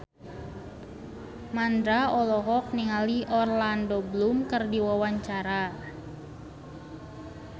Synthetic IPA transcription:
mand̪ɾaɔlɔɦɔk̚niŋaliʔɔrlandoblumkɨrdiwawaɲt͡ʃaɾa

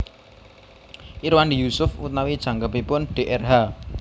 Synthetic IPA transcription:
ʔiɾwandijusʊfṵt̪̚nawid̥ʒ̥ä̤ŋkəpipʊnɖ̥e̤ʔɛrɦa

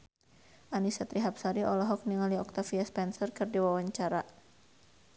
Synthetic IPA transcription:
ʔanisat̪ɾiɦap̚saɾiɔlɔɦɔk̚niŋaliɔk̚t̪afiaspɛnsərkɨrdiwawaɲt͡ʃaɾa

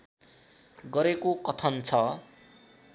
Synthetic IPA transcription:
ɡʌɾekokʌt̪ʰʌnt͡sʰʌ

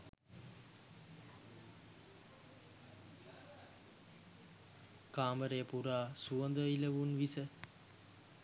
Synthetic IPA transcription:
kaːməɾejəpuɾaːsuənd̪əiləʋunʋisə

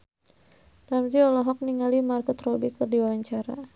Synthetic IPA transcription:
ramziɔlɔɦɔk̚niŋalimarkɔt̪rɔbikɨrdiwawaɲt͡ʃaɾa̰

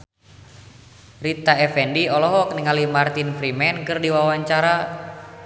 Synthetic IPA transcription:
rit̪aɛfɛndiɔlɔɦɔk̚niŋalimart̪infɾimɛnkɨrdiwawaɲt͡ʃaɾa

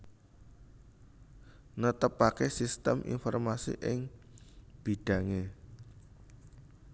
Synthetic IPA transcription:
nət̪əpːakesist̪əmʔḭnfɔrmasḭʔɪŋ | b̥i̤ɖ̥ä̤ŋe

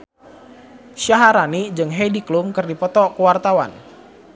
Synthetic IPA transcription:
ʃaɦaɾanid͡ʒɨŋɦediklumkɨrdipɔt̪ɔkuwart̪awa̰n

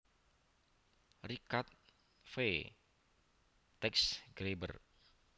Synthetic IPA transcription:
rikat̪̚ | fe | t̪ɛksɡ̥ɾebə̰r

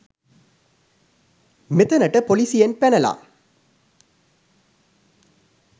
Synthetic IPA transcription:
met̪ɐnɐʈəpolisijenpænɐla̰ː

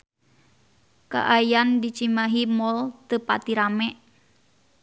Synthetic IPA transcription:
ka̰ʔajandit͡ʃimaɦimɔlt̪əpat̪iɾamɛʔ

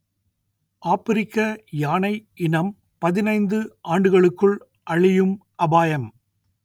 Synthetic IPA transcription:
ʔaːpɪɾɪkːɐjaːnɐɪʔɪnɐm | pɐðɪnɐɪnd̪ɯʔaːɳɖɯɣɐɭɯkːɯɭ | ʔɐɭɪjɯmʔɐbaːjɐm

